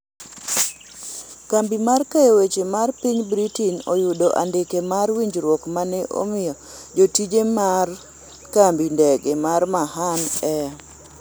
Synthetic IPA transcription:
kambimarkajewet͡ʃemarpiɲbɾitinojudoʔa̰ndɪkemarwiɲd͡ʒɾwɔkmanɛʔo̰mɪjɔ | d͡ʒotid͡ʒemar | kambindɛɡemaɾmaɦanɛ

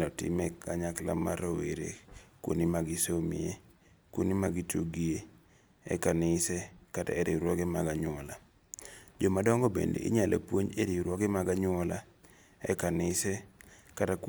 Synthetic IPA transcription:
lɔtɪ̰mɛkaɲakla̰maɾoweɾḛkwo̰nimaɡisomie | kwo̰nimaɡituɡie | ɛ̰kanɪsɛkata̰ɛɾiɾwɔɡɛmaɡaɲʊɔla | d͡ʒomadɔŋɡɔbḛndḛʔḭɲalʔḛpwoɲeɾiɾwɔɡɛmaɡaɲʊɔla | ɛkanɪsɛkatak

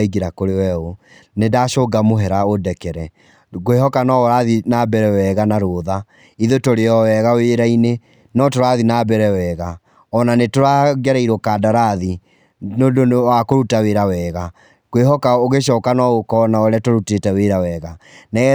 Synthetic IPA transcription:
iɡeɾakoɾewɛo | nedaʃɔɡamoɦɛɾaodɛkɛɾɛ | ɡoehɔkanɔoɾaðinabɛɾɛwɛɣanaɾoːða | iðotoɾeɔwɛɣaweɾaine | nɔtoɾaðinabɛɾɛwɛɣa | ɔnanetoɾaɡɛɾɛiɾokadaɾaði | nodonwakoɾutaweɾawɛɣa | ɣ̥weɦɔkaoɣeʃ̬ɔːkanɔɣokɔnaoɾeatoɾutetɛweɾawɛɣanɛ

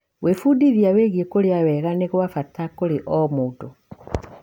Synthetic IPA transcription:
wʔefuːdiðiaweɣiekoɾeawɛɣaneɣwafatakoɾeʔɔmoːto

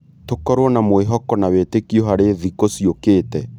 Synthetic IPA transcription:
tokɔɾwɔnamoeɦɔkɔnawetekiɔɦaɾeðikosiokeːtɛ

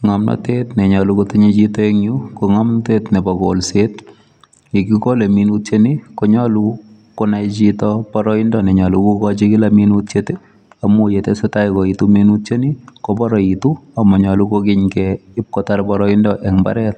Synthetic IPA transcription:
ŋamnɔ̰tetnɛɲɔlukotɪɲet͡ʃitɔeŋɲukoŋamntetnɛbɔkolset̚ | ekikoleminutt͡ʃenikoɲɔlu | konajt͡ʃitɔpɔɾɔɪndɔnɛɲɔlukukɔt͡ʃikɪlaminut̚t͡ʃete | amojetɛsetajkɔitumenut̚t͡ʃenikopɔɾɔituamɔɲɔlukokɪɲkɛɪp̚kɔtaɾpɔɾɔɪndɔʔɛŋba̰ɾɛt̚

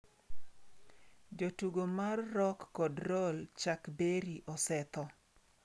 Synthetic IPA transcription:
d͡ʒotuɡomarːɔkːɔdɾɔlt͡ʃakbeɾiʔɔsɛt̪ɔ

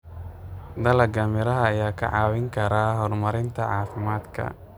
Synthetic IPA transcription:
d̪ɐlɐɡɐmɪɾɐɦɐːjaːkʰɐ̰ʕɑːwɪŋkʰɐɾaːɦɔrmɐɾɪnt̪ʰɐʕɑːfɪmaːd̪kʰɐ̰

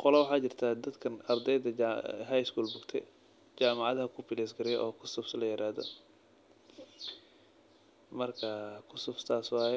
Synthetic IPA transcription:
qɔlɛwʊħɑːt͡ʃɪrt̪ʰaːd̪ɐd̪kʰɐnɐrd̪ɛjðɐɦajɪskuːlbʊɡt̪ʰɛ̰ | t͡ʃaːmɑʕɑðɐɦɐkʰʊfɪlɛsɡɐɾɪjʔɔːkʰʊsʊbslɐjɪɾaːðɔ̰ | mɐrkʰɐkʰʊsʊbst̪ʰaːswɑːjɛ

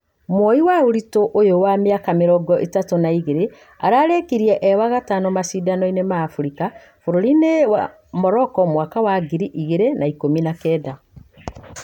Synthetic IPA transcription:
mwɔiwaoɾitoʔojowameakameɾɔɡɔʔetatonaiɣeɾe | aɾaːɾekiɾiɛʔɛwaɣatanomasiːdanɔinemaːfuɾika | foɾoɾinew | mɔɾɔkɔmwakawaɡiɾiʔiɣeɾenaikominakɛːda

